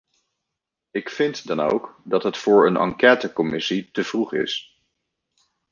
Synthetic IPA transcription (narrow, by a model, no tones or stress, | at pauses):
ɪkfɪntdɑno̰wkdɑtɦətfʊːɹənʔɑ̰ŋkɛːtəkɔmɪsitəv̥ruχɪ̰s